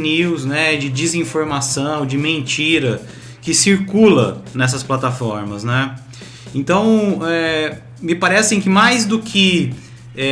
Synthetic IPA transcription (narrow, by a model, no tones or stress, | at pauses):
niwznɛd͡ʒɪd͡ʒɪzĩfoɾmasɐ̃w̃d͡ʒɪmẽnt͡ʃiɾɐ | kɪsiɾkulɐnɛs̬ɐsplat̪afɔɾmɐznɛ | ẽnt̪ɐ̃w̃ɛ | mɪpaɾɛsẽkɪmajzd̪ʊkʰɪ | ɛ